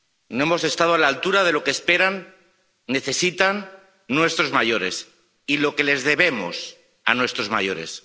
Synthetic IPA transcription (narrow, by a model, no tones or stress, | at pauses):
noe̞mo̞se̞st̪að̞oalaːlt̪uɾaðe̞lo̞keːspe̞ɾanː | e̞θe̞sit̪anː | we̞st̪ɾo̞zmaʝo̞ɾe̞s | ilo̞ke̞le̞zðe̞βe̞mo̞̰s | a̰nwe̞st̪ɾo̞zma̰jo̞ɾḛs